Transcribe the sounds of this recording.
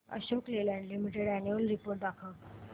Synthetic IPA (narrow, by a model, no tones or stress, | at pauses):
ə̰ɕoklelaɳɖlimiʈeɽænuulɾipoɾʈ̚d̪akʰə